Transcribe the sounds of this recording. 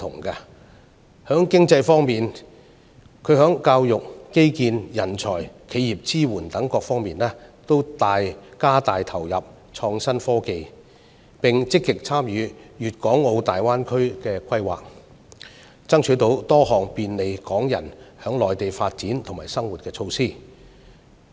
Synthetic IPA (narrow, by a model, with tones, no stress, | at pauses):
t̪ʰʊ̰˨˩ŋka˧ | hœː˨˥ŋkɪ˥ŋt͡sɐ˧jfɔː˥ŋmiː˨n | kʰɵ˨˧ɥɦœː˨˥ŋkaː˧wjʊ˨k̚ːe˥jkiː˧njɐ˨˩nt͡ʃʰɔ̰ː˨˩jkʰe˨˧jjiː˨˩p̚t͡siː˥wuː˨˩nt̪ɐ˨˥ŋkɔː˧k̚fɔː˥ŋmiː˨nlɛː˥t̪o˥wt̪aː˨˧jkaː˥t̪aː˨jt̪ʰɐ˨˩wjɐ˨p̚ | t͡ʃʰɔː˧ŋsɐ˥nfɔː˥ke˧j | pɪ˨ŋt͡sɪ˥kːɪ˨k̚t͡sʰaː˥mjyː˨˧jyː˨t̚kɔː˨˥ŋo˧wt̪aː˨jwaː˥nkʰɵ˥ɥkɛː˧kʷʰɐ˥jwa̰ː˨k̚ | t͡sɐ˥ŋt͡ʃʰyː˨˧t̪o˨˥wt̪ɔː˥hɔː˨˩ŋpiː˨˧nle˨˧jkɔː˨˥ŋjɐ̰˨˩nhœː˨˥ŋlɔː˨jt̪e˨jfaː˧t̚t͡siː˨˥nt̪ʰʊ˨˩ŋmaː˨˩jsɐ˥ŋwu˨t̚kɛː˧t͡ʃʰo˧wsiː˥˩